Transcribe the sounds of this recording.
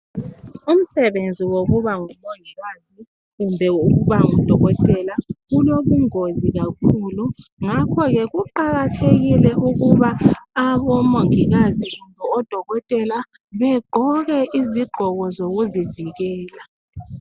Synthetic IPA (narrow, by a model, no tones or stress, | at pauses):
um̩sɛβend͡zʱiwoɣuβaŋumoŋiɣazi | ɣumbʱɛuɣuβaŋud̥ʱɔɣɔtʼɛlaɣuloβuŋoziɣakʰuːluŋakʰɔɣɛɣuǃaɣatʰeɣilɛuɣuβaːβɔmoŋiɣaziɣumbʱɛɔd̥ʱɔɣɔtʼɛla | βɛɡ͡ǃ̥ʱɔɣɛʔiziɡ͡ǃʱɔɣɔzoɣuziviɣɛːla